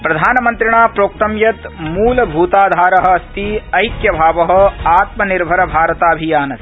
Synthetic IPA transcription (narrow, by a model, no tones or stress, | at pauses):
pɾɐd̪ʱaːnɐmɐ̃nt̪ɾɪɳ̃aːpɾoːk̚t̪ɐmjɐt̪muːlbʱuːt̪aːd̪ʱaːɾɐɦɐ̆ɐst̪iɐjkjɐbʱaːʋɐɦɐ̆aːt̪mɐnɪɾbʱɐɾɐbʱaːɾɐt̪aːbʱijaːnɐs